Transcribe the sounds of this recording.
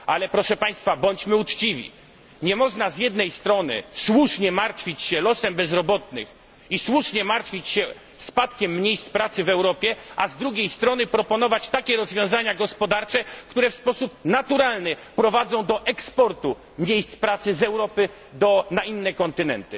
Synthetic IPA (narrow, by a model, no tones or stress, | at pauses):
ʔalɛpɾɔʂɛpaj̃st̪fabɔɲt͡ɕmɘut͡ʂt͡ɕivʲḭ | ɲɛmɔʐnazjɛd̪nɛjst̪ɾɔnɘ̰swuʂɲɛmaɾt̪fʲit͡ɕɕɛlɔsɛmbɛzɾɔbɔt̪nɘ̰x | iswuʂɲɛmaɾt̪fʲit͡ɕɕɛ | spat̪kʲɛmːɲejst̪spɾat̪sɘvɛwɾɔpʲjɛʔazd̪ɾuɡʲejst̪ɾɔnɘpɾɔpɔnɔvat͡ɕt̪akʲɛɾɔzvʲjɔ̃w̃zaɲaɡɔspɔd̪aɾt͡ʂɛkt̪uɾɛfspɔsup̚nat̪uɾalnɘpɾɔvad̪zɔ̃w̃d̪ɔʔɛkspɔɾt̪u | mʲɲejst̪spɾat̪sɘzɛwɾɔpɘ | d̪ɔnainːɛkɔnt̪ɘnɛ̰nt̪ɘ